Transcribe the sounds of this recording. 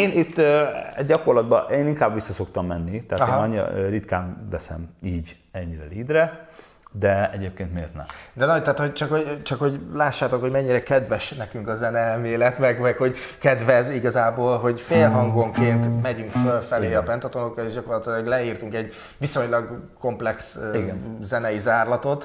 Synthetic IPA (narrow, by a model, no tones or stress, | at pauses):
eːnit̪ːøɛ̰zɟɒko̞rlɒd̪bɒ̰ʔeːniŋkaːbʋisːɒso̞kt̪ɒmːɛnːit̪ɛːt̪ɒɲːḭrit̪kaːmvɛsɛ̰miːɟ | ɛɲːiɾɛ̰liːd̪rɛ | d̪ɛɛɟeːp̚keːnt̪mḛːrt̪nɛ̰md̪ɛnɒt̪aːt̪ho̞ɟt͡ʃɒkho̞t͡ʃɒkho̞ɟlaːʃːaːt̪o̞khomɛɲːiɾɛkɛd̪vɛʃnɛkyŋkɒzɛnɛɛlmeːlɛt̪mɛɡmɛkho̞ɟkɛd̪vɛziɡɒzaːboːlɦo̞ɟfeːlɦɒŋɡo̞ŋkeːnt̪mɛɟyŋkfølfɛleːɒpɛnt̪ɒt̪o̞no̞krɒeːʒɟɒkorlɒt̪ilɒɡlɛiːrt̪uŋkɛɟ | ʋiso̞ɲlɒɡko̞mplɛksiɡɛnzɛnɛizaːrlɒt̪o̞t̪